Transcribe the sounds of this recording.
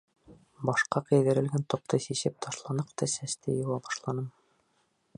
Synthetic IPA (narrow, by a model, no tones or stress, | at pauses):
bɑʃqɑqɘ̆jðɘ̆ɾɘ̆lɡænt̪ŏq̚t̪ɤsisɘp̚t̪ʰɑʃlˠɑnɤqt̪ɤsæst̪ɘjŏwˠɑbɑʃlˠɑnɤm